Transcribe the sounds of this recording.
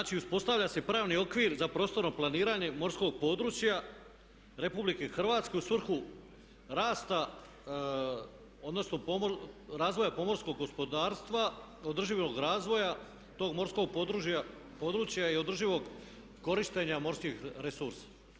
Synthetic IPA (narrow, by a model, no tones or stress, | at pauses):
t͡ʃiuspo̞st̪aʋʎase̞pɾaːʋnio̞kʋiːɾzapɾo̞ːst̪o̞ɾno̞plˠaniːɾaɲe̞mo̞ɾsko̞ɡ̚po̞d̪ɾuːt͡ɕja | ɾe̞publike̞xr̩ʋaːt̪ske̞usʋr̩xu | ɾaːst̪a | od̪no̞sno̞ɾaːzʋo̞japo̞mo̞ɾsko̞ɡːo̞spo̞d̪aːɾst̪ʋa | o̞d̪r̩ʒiʋo̞ɡɾaːzʋo̞ja | t̪o̞ːɡmo̞ɾsko̞ɡ̚pod̪ɾua | po̞ːd̪ɾuːt͡ɕjaio̞d̪r̩ʒiʋo̞ɡ | ko̞ɾiʃt̪e̞ɲamo̞ɾskixɾesuɾsḁ